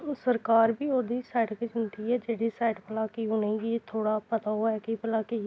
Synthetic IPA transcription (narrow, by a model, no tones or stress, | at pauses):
səɾkaːɾbiːoːd̪iːsaːɪɖked͡ʒʊnt̪iːɛːd͡ʒeːɽiːsaːɪɖpəlaːkiʊnẽɡit̪ʰoːɽaːpət̪aːɦoɛːkipəlaːke